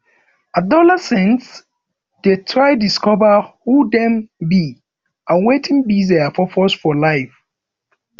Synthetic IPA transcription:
adɔlɛsɛ̃nts | d̥etʰɹaɪdiskɔvəhudɛ̃mbi | ãnwetʰĩnbiziafɔfɔsfɔlaɪf

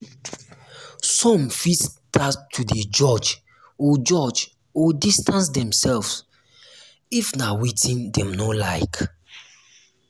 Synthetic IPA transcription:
sɔ̃mfistʰatʰːuded͡ʒɔd͡ʒ | ɔd͡ʒɔd͡ʒ | ɔdistãns̬dɛ̃msɛlvs | ifnawitĩndɛ̃mnɔlaɪk

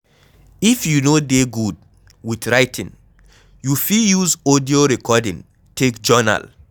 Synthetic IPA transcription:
ifjunodeɡud̚ | widɹaɪtʰḭ̃ŋ | jufijuzodioɹɛkʰɔdḭ̃ŋ | tʰekd͡ʒɔna̰l

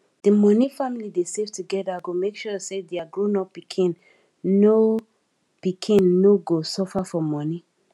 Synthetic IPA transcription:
d̥imɔnifamilidesevtuɡɛdaɡomekʃɔsedeaɡɹonɔpikʰĩn | no | pikʰĩnːoɡosɔfafɔmɔni

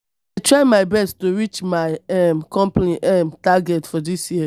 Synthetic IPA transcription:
aɪtʰɹaɪmaɪbɛsttoɹit͡ʃmaɪɛmkɔ̃mpliʔɛmtaɡɛtfɔdisji

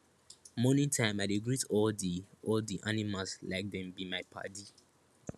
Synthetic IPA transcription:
mɔnĩntʰãɪ̃maɪdeɡɹitɔldiɔldiʔanimaslaɪk̚dɛ̃mbimaɪpʰa̰di

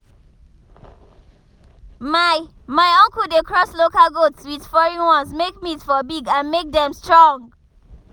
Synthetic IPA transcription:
maɪ | maɪɔ̃ŋkudekʰɹɔslokalɡotswið̥fɔɹĩwɔ̃nsmekmitfɔbiɡãnmek̚dɛ̃mstɹɔ̃ŋ

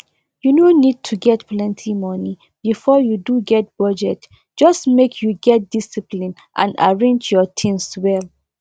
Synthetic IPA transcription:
junonid̚tʰuɡɛtplɛ̃ntʰimɔni | bifɔjuduɡɛt̚b̥ɔd͡ʒɛt | d͡ʒɔstmekʰjuɡɛt̚d̥isiplĩn | ʔã̰na̰ɹẽnd͡ʒjɔtʰĩnswɛl

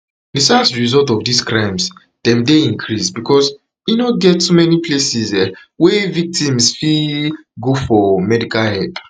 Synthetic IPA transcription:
difastɹizɔltɔvdiskɹãɪ̃ms | d̥ɛ̃mdeĩŋkʰɹisbikʰɔs | inoɡɛttumɛniplesisɛ | wɛvik̚tĩmsfi | ɡofɔmɛdikalhɛt

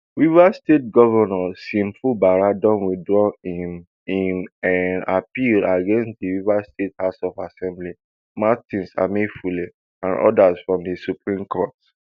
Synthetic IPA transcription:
wivastet̚ɡɔvɛnɔsĩmfubaɹadɔ̃nwidɹɔim | inana̰pilaɡẽnstdiwivastethaʊsɔfasɛ̃mbli | matĩnsa̰medfuli | ãnʔɔ̰dasfɹɔ̃mdisupɹĩmkʰɔt

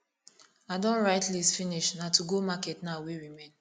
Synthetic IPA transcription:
adɔ̃nɹaɪtlisfiniʃnatuɡomakɛtnaʊweɹimẽn

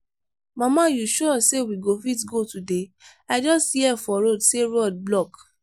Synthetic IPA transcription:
mãmãjuʃɔsewiɡofitɡotude | aɪd͡ʒɔsthiɛfɔɾodseɾɔd̚blɔk

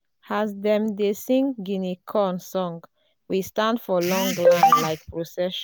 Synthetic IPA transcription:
hazdɛ̃mdesĩŋɡinikʰɔnsɔ̃ŋɡ | wistãndfɔlɔ̃ŋlãnlaɪk̚pɹosɛʃ

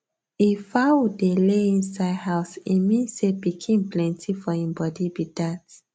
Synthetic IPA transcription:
ifawudeleĩnsaɪdhaʊsimĩnsebikʰẽmplɛ̃ntʰifɔĩmbɔdibid̥at

